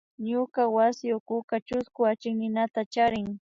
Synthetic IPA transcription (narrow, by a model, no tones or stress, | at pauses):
ɲʊkawasɪjokʊkat͡ʃʊskʊat͡ʃɪŋnɪnat̪at͡ʃaɾɪŋ